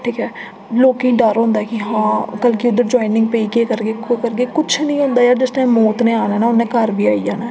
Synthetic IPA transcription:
ʈʰiːkɦɛː | loːkɪĩːɖəɾɦõːnd̪aːɛːkɪɦãːkəlkiʊd̪əɾd͡ʒɔːɪnɪ̃ŋɡ̚peiːkeːkəɾɡeːkəɾɡeːkʊt͡ʃʰnĩːɦõːnd̪aːjaːɾd͡ʒɪsʈaimːoːt̪nẽːaːnaːnaːʊnːẽːkəɾbiːaːid͡ʒaːnaː

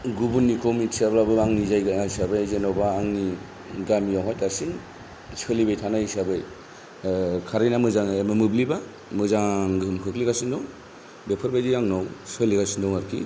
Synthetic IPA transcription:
ɡubunːikʰɔmitsablabɯaŋnizajɡajsabɯjzenɔwbaːŋni | ɡamijawɦajtasin | sɯlibajtʰanaisabɯj | kʰaɾejnamɯzaŋemɯmɯbliba | mɯzaŋɡɯɯmkʰɯkliɡasindɔw | bepʰɯɾbajdiaŋnɔwsɯliɡasindɔŋaɾkʰḭ

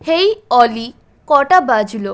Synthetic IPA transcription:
hejɔli | kɔʈabad͡ʑʱlo

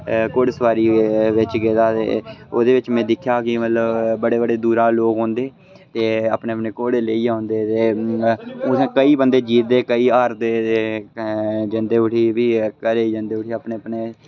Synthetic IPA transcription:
koːɽsəʋaːɾiːʋɪt͡ʃɡeːd̪aːt̪ḛːoːd̪eːʋɪt͡ʃmɛ̃ːd̪ɪkʰːjaːkɪmət̪ləbbəɽeːbəɽeːd̪uːɾaːloːɡɦõːnd̪eː | t̪eːaːpɳeːəpɳeːkoːɽeːleiːãːnd̪eːt̪eː | skəiːbənd̪eːd͡ʒiːt̪̚d̪eːkəiːaːɾt̪eːeː | d͡ʒənd̪eːʊʈʰiːʋiːkəɾeːd͡ʒə̃nd̪eːʊʈʰiːaːpneːəpneː

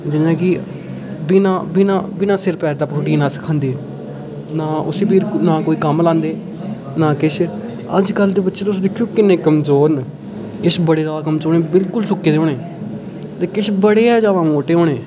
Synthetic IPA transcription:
d͡ʒɪnãːkɪ | binãːbinãːbɪnãːsɪɾpɛːɾd̪aːpɾoːʈ̬iːnaːsə̥kʰãːnd̪eː | naːʊseːpʰiːɾnaːkoːiːkəmlãːnd̪eː | naːkɪʃ | ə̰d͡ʒkəlːd̪eːbətːʃeːt̪ʊs̬ːd̪ɪkʰːjoːkɪnːẽːkəmzoːɾn | kɪʃbəɽeːd̪aːkəmzoːɽẽːbɪlkʊlsʊkːeːd̪eoːɽeː | t̪eːkɪʃbəɽeːɛːd͡ʒaːʋãːoːʈeːɦoːɽeː

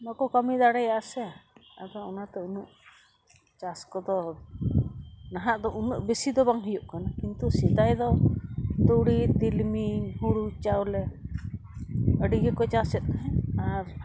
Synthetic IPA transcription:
mɔkɔkəmid̪aɽɛjaʔsɛaad̪ɔɔnat̪ɛunuʔ | t͡ʃaskɔd̪ɔ | naɦaʔd̪ɔʔunuʔbesid̪ɔbaŋɦujuʔkanakint̪usid̪ajd̪ɔ | t̪uɽid̪ilmihuɽut͡ʃawlɛ | əɖiɡɛkɔt͡ʃasɛt̪̚ˀɦɛaɾ

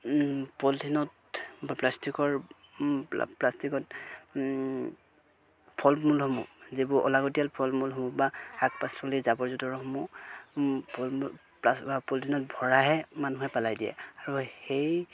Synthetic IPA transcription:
pɔltʰinɔt | baplastikɔɹ̰ | plastikɔt | pʰɔlmulɦɔmṵzibʊʔɔ̰laɡɔtijalpʰɔlmulɦɔmubaak̚pasɔlizabɔɹzɔtɔɹɦɔmu | pɔl | pabapɔltʰinɔt̚bʱɔɹaɦɛmanuɦɛpalajdijɛ̰aɹuhej

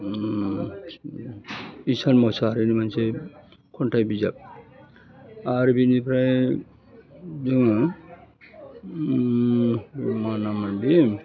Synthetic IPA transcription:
isanmɔsaɾinimanse | kʰɔntajbizab̚ | aɾbinipʰɾaj | zɯŋa | manamandim

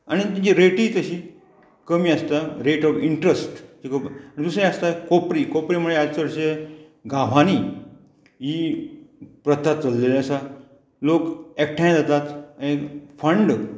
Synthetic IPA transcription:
añit̪ĩd͡ʑiɾeʈiːt͡səɕiː | kəmiːast̪aɾeʈɔfiɳʈɾəsʈd͡ʑikəaɽ̃id̪usẽast̪akopɾikopɾimuɭeasəɾɕe | ɡʱaʋ̤aniː | ɦiː | pɾət̪ʰːat̪̚t͡səlːeleasa | lokek̚ʈʰãj̃d͡zat̪at̪ekfəɳɖ

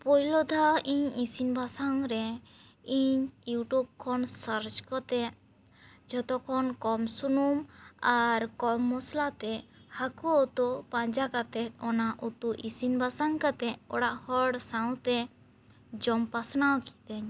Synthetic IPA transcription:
pɔjlɔd̪ʱaiɲisinbʱasaŋɾɛ | iɲjuʈub̚kʰɔnsəɾt͡ʃkɔt̪ɛ | d͡ʒɔt̪ɔkʰɔnkɔmsunumaɾkɔmːɔslat̪ɛhakɔot̪ɔpãɲd͡ʒakat̪ɛt̪̚ɔnaʔut̪uʔisinbasaŋkat̪ɛɔ̰ɽaʔhɔɽsaw̃t̪ɛ | d͡ʒɔmpasnawki̥t̪ɛɲ

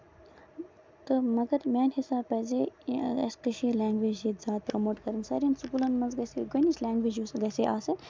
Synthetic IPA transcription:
t̪ɨmɐɡɐɾmʲaːnhisaːbpɐːzeɐ̰skəʃiːlʲaːŋɡʋeːd͡ʒit̪zʲjaːd̪̚pɾɐmoːʈkɐɾɨnsɐ̰ːɾiɐnsukuːlɐnmɐnzɡɐsḛɡənit͡ʃʲlʲaːŋɡʋeːd͡ʒusɡɐseːʔaːsɐt̪

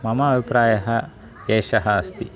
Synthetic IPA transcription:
mɐmɐːbʱipɾaːjɐɦɐ | eːʃɐɦɐːst̪i

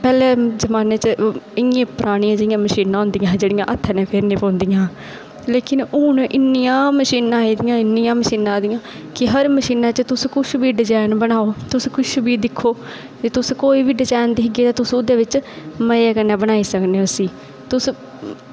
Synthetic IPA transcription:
pɛːlɛːzəmaːneːt͡ʃəɪjẽːpɾʔaːɽ̃ɪjãːd͡ʒɪɪjãːməʃiːnãːɦʊ̃ːnd̪ijãːd͡ʒeːɽɪjã̰ʔət̪ʰːaːnẽːpʰeɾneːpõːnd̪ɪjãː | leːkɪnʊnʔɪnːɪjãːməʃiːnãːiːd̪ɪjãːɪnːɪjãːməʃiːnãːd̪ɪjãː | kɪɦəɾməʃiːnãːt͡ʃət̪ʊskʊʃbiːɖɪd͡ʒaːnbənaːoːt̪ʊskʊʃbiːd̪ɪkʰːoː | d͡ʒet̪ʊskoːiːʋiːɖɪd͡ʒaːnd̪iːɦɪɡeːt̪ãːt̪ʊsũd̪eːʋɪt͡ʃ | məeːkənːɛːbənaːiːsəkneːʊsiː | t̪ʊs

